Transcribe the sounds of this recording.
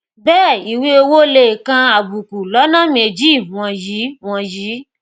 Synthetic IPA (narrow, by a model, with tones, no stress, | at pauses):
bɛː˦˨i˨wi˦o˧wo˦le˧˨kã˧a˨bu˨ku˨lɔ˨˦nã˦˨mẽ˧d͡ʒĩ˦˨ɔ̃˧ji˨˦w̃ɔ̃˧ji˨˦